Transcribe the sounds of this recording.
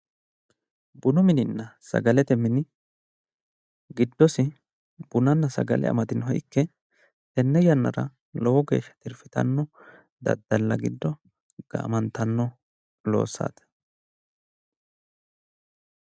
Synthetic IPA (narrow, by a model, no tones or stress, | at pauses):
bʊnʊmɪnɪnːɐsɐ̰ɡɐlɛt̪ɛmɪnɪ | ɡɪd̪ːɔsɪ | b̥ʊnɐnːɐsɐ̰ɡɐ̰lɛ̰ɐ̰mɐt̪ɪnɦɔʔɪkːɛ | t̪ɛnːɛjɐnːɐɾɐ | lɔwɔɡe̞̰ːʃːɐ̥t̪ɪɾfɪt̪ɐ̰nːɔ | d̪ɐ̰d̪ːɐlːɐɡɪd̪ːɔ | ɡ̥ɐ̰ːmɐnt̪ɐnːɔ | lo̞̰ːsːa̰ːt̪ɐ̥